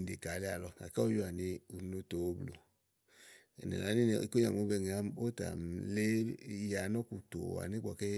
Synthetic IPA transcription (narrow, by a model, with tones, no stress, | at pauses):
de˨ka˨le˦a˨lɔ˧a̰˨ka˦o˦jo˦a˨ni˧u˨˦no˦to˨˦blo̰˨ | e˨nḛ˨a˨˦ni˦˨ḭ˨ko˦ɲa̰˨m˨o˨˧˦be˧˨ŋ˨a˨˦m˦o˦ta̰˨m˨le˦ja˨nɔ˦ku˨to̰˨a̰˨ni˦ɡ͡bɔ˨ke˦